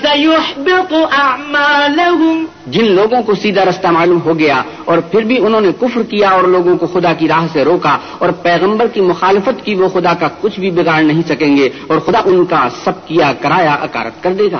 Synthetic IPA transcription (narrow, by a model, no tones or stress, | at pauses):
sɐjʊħbɪqʔaʕmaːlʊɦʊm | d͡ʒɪnloːɡõkosiːd̪aɾɐst̪amaːluːmɦoɡɐja | ɔːɾpʰɪɾbʱiʊnɦõːnekʊfɾkijaɔːɾloːɡõkoxʊd̪ak̬iɾaːɦseɾoːka | ɔːɾpɛːɣə̃mbəɾkimʊxaːlɪfət̪kiʋoxʊd̪akakʊt͡ʃʰbʱibɪɣaːɾnɐɦĩsɐkẽːŋɡe | ɔːɾxʊd̪aʔʊnkasɐb̚kijakɐɾaːjaʔɐ̰ka̰ːɾə̰t̪̚kɐɾd̪eːɡa̰ː